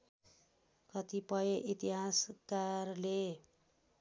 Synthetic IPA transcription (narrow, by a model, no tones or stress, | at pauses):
kʌt̪ipʌjeʔit̪iɦaskarle